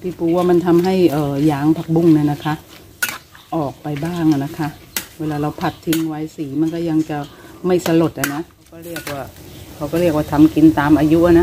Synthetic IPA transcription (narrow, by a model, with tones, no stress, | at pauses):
pʰiː˧˩pʰuː˧˦waː˧˩ma˧˥˨nt̪ʰa˧mɦa˥˩jʔɤː˨˩jaː˨˦ŋpʰa˧˩k̚bu˧˩˨ŋna˧˩na˦˧˩kʰa˦˥ʔ | ʔɔː˨˩k̚pa˧jbaː˥˩ŋʔa˨˩na˧kʰa˦˥ʔweː˧laː˧ɾa˧˩wpʰa˨˩t̪ʰːi˧ŋwa˧jsiː˨˩˦ma˧˥˨nkɔː˥˩ja˧ŋt͡ɕa˧˩ma˥˩jsa˧lo˨˩t̪̚ʔha˨˧˩na˧˥ʔkʰa˧wkɔː˥˩ɾi˥˩ək̚waː˧˩kʰa˧˦wkɔː˧˥˩ɾi˥˩ək̚waː˧˩t̪ʰa˧mki˧˦nt̪aː˨˧mʔaː˧ju˦˥ʔa˧˩na˧˥